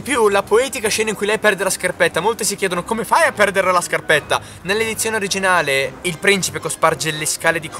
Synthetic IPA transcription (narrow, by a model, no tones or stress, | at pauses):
ipjulapoɛːt̪ikaʃɛːnaiŋkujlɛjpɛrd̪elaskarpɛt̪ːamolt̪esikjɛːd̪onokomefajapːɛrd̪erlalaskarpɛt̪ːa | nelːed̪it̪sːjoːneoɾid͡ʒinaːleilpɾint͡ʃipekospard͡ʒeleskaːled̪ikʰ